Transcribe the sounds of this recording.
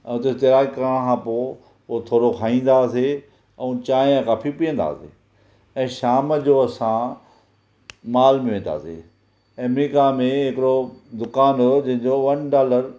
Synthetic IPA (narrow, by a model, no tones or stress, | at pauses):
ɛ̰̃ːʊt̪est̪eɾaːɡkəɾəɽ̃kʰãːpo | ot̪ʰoːɾokʰaːĩːn̆d̪ase | ɛ̃t͡ɕãːãkaːfipiːə̃n̆d̪a̰ːsḛː | ɛ̃ːʃaːməd͡ʑoːɐsã | maːlmẽʋẽːn̆d̪a̰ːsḛ | ɐmɾiːkamẽɦɪkɪɾod̪ʊkaːnɦod͡ʑɐ̃ɦɪ̃ɲd͡ʑoʋɐnɖaːləɾ